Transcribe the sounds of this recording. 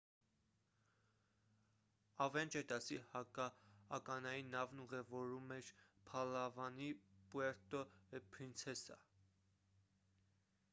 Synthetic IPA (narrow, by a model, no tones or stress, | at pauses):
ɑvɛnt͡ʃɛd̪ɑsihɑkɑ̰ːkɑnɑjinːɑvnuʁɛvɔɾumɛɾpʰɑlɑvɑnipuɛɾt̪ɔɛpʰɾint͡sʰɛsɑ̰